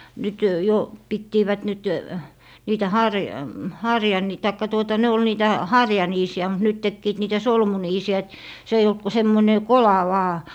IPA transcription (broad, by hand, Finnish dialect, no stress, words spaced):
nyt jo pitːiːʋæt nyt niːtæ hɑrʲ hɑrjɑni tɑikːɑ tuotɑ ne ol niːtæ hɑrjɑniːsiæ mut nyt tekːiːt niːtæ solmuniːsiæ et se eij olt ku semːoĭne kolɑ ʋɑː